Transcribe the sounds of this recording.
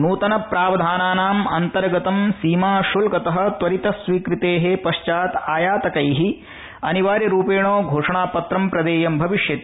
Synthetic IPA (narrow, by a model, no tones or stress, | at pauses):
nuːt̪ɐnɐpɾaːʋɐd̪ʱaːnaːnaːmɐnt̪ɐɾɡɐt̪ɐmsiːmaːʃulɡɐt̪ɐɦɐ̆t̪ʋɐɾit̪ɐsʋiːkɾit̪eːɦepɐʂt͡ʃaːt̪aːjaːt̪ɐkɐjɦi | ɐniʋaːɾjɐɾuːpeːɳ̃oːɡʱoːʂɐɳaːpɐt̪ɾɐmpɾɐd̪eːjɐmbʱɐʋiʂjɐt̪i̥